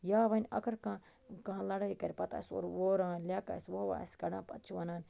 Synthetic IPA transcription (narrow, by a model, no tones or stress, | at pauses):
jaːʋɐnʲɐ̰kʰɐɾkã | kɐɦãlɐɽɐikɐɾʲpɐt̪a̰ːsʲo̰ːɾʋoːɾãːlʲaːka̰ːsʲʋoːʋa̰ːsɡɐɽãːpɐt̪t͡ʃʰiʋɐnaːnʲ